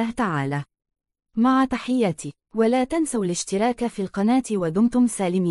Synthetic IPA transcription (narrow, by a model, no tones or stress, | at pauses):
aːht̪aʕaːlaː | maʕat̪aħɪjːat̪i | walaːt̪ansawalɪʃt̪ɪɾˤɑːkafiːlqɑnaːt̪ɪwad̪ʊmt̪ʊmsaːlɪmiː